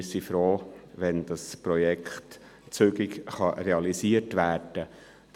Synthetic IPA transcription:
sifɾoːʋɛnd̥̪ɑspɾɔjɛkχt | t͡søɡɪkχɑɾɛɑlisiətʋæːɾd̥ə̥

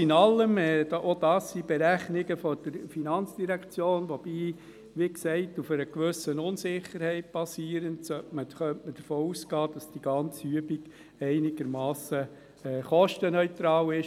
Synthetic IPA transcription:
ɪnɑlːəmɛʔod̥ɑːsːib̥ɛɾæχnɪɡəfɔd̥əɾfinɑnt͡sd̥iɾækt͡sjoːnʋɔb̥iː | ʋiksɛɪtufəɾəkʋʏsənʊnsɪχəɾhɛɪt̚b̥ɑsiːəɾəntsœtməχœntməd̥əɾfoːusɡ̥ɑːd̥ɑsd̥iɡ̥ɑnt͡syəbiɡ̥ | ɛɪnɪɡ̥əɾmɑːsə | ɛːχɔʃtənœʏt̪ɾɑːwɪʃ

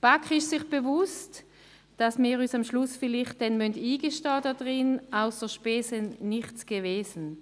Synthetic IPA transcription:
b̥akχɪʃsɪχb̥evʊst | d̥asmiːʁyːsamʃlʊsfɪlɪχt̚d̥ɛnmyntiːɡəʃtɑːdɔdʁɪnaʊsd̥əɐʃpeːsənɪχtt͡sɡ̥əveːzn̩

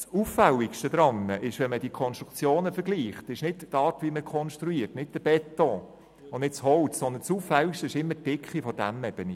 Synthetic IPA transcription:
suffæwɪkʃtəd̪ɾɑnːəʔɪʃʋɛnməd̥iəkʰɔnsʃt̪ɾukt͡sjoːnəfəɾɡliːχtɪʃnɪttːɑːtʋiməkʰɔnʃtɾuiːrtnɪd̥̚d̥əb̥ɛtːɔ̃ | ʊnnɪtshɔwtsɔnd̪ənsuːffæwikʃtəɪʃɪmːətɪkχifɔdæmɛb̥əni

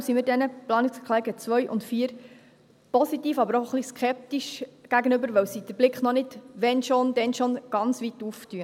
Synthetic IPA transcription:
msimiɾdɛnəplɑːnɪkskʰlɛɡət͡sʋœɥʔʊ̰ntfiːəɾ | pɔsitiːfɑbəɾɔχliskʰɛp̚tiʃɡ̥æɡənʏbəɾʋɛwsid̥əɾblɪkχnɔnɪdʋɛnʃond̥ɛnʃonɡ̥ɑnt͡sʋituftyə

